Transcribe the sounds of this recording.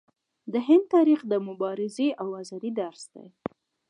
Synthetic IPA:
d̪əɦɪnd̪̚t̪ɑɾixd̪əmʊbɑɾɪzeʔawazɑd̪id̪aɾsd̪ḛj

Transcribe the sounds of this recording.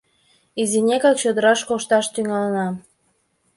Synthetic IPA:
izinʲekɑkt͡ɕød̪əɾɑʃkoʃt̪ɑʃt̪yŋɑlənɑ

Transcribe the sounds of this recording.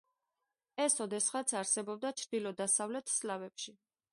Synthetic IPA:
ɛsɔd̪ɛsχat̪sʰaɾsɛbɔb̚d̪at͡ʃʰɾd̪ilɔd̪asavlɛt̪ʰslavɛpʃi

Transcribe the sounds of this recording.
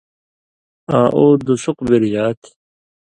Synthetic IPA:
ãːʔoːd̪usuqbiɾjaːt̪ʰ

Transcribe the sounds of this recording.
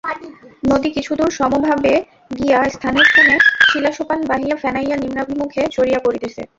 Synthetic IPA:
nod̪ikit͡ɕʰud̪uɾʃɔmobʱabe | ɡiast̪ʰaneɾt̪ʰoneʃilaʃopanbaɦijafɛnajːanimɾabʱimukʰet͡ɕoɾiakoɾit̪et͡ɕʰḛ

